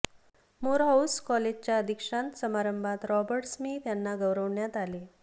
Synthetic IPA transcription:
moɾɦawskɔled͡ʑt͡ɕjaəd̪ʱikʂãnt̪səmaɾəmbʱat̪ɾɔbəɾʈsmiːt̪janːaɡəwɾəʋɳjat̪ale

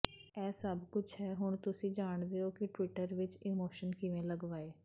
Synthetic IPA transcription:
ɛːsəbkʊt͡ʃʰɦɛːɦʊɳt̪ʊsĩːd͡ʒaːɳd̪eːoːkɪʈʋɪʈəɾʋɪt͡ʃimoːʃənkɪʋẽːləɡʋaːeː

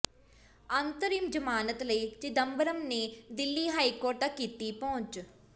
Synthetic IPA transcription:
ɐnt̪əɾiːmd͡ʒɐmaːnət̪lɐit͡ʃid̪ɐmbəɾəmned̪ɪlːiːɦaːikoːɾʈɐkːiːt̪ipɐʊ̃t͡ʃ

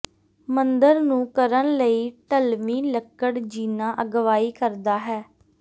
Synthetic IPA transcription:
mənd̪əɾnũːkəɾənləiːʈəlmiːləkːəɽd͡ʒiːnãːʔəɡʋaːiːkəɾd̪aːɦɛː

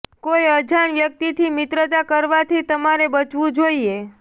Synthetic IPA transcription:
kojəd͡ʒʱaɳʋjək̚t̪it̪ʰimɪt̪ɾət̪akəɾʋat̪ʰit̪əmaɾebət͡ʃʋũd͡ʒoie

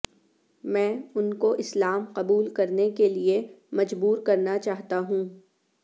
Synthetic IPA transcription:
mɛ̃ːʊnkoʔɪslaːmqɐbuːlkɐɾnekeliemɐd͡ʒbuːɾkɐɾnat͡ʃaːɦt̪aɦũː

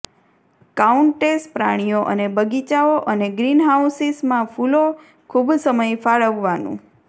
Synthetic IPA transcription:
kauɳʈespɾa̰ɽ̃ijoʔə̰nebəɡit͡ʃaoʔəneɡɾinɦausismãfulo | kʰubsəməjfaɭəʋːanṵ̃

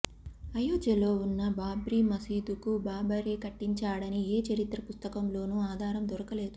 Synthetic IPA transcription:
ɐjoːd͡ʒɐlo̞ːunːɐbaːbɾimɐsiːd̪ukubaːbɐɾeːkɐʈːiɲt͡ʃaːɽɐnieːt͡ʃɐɾit̪ɾɐpust̪ɐkɐmlo̞ːnuaːd̪ʱaːɾɐmd̪ɔɾɐkɐle̞ːd̪u

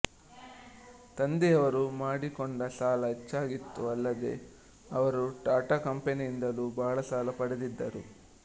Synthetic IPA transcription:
t̪ɐnd̪eɐʋɐɾumaːɽikoɳɖɐsaːlɐet͡ʃːaːɡit̪ːuɐlːɐd̪e̞̰ | ɐʋɐɾuʈaːʈakɐmpeniːnd̪ɐluːbʱaːɭɐsaːlɐpɐɽed̪id̪ːɐɾu

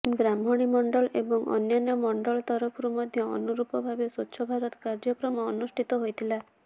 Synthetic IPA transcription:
ɡɾambʱɔɽ̃imɔɳɖɔlḛbɔŋɔ̰njanjɔmɔɳɖɔlt̪ɔɾɔpʰɾumɔd̪ʱjɔɔ̰nuɾupɔbʱabesutːʃʰɔbʱaɾɔt̪ɔkaɾd͡ʒɔkɾɔmɔːnusʈʰit̪ɔɦojt̪ʰila

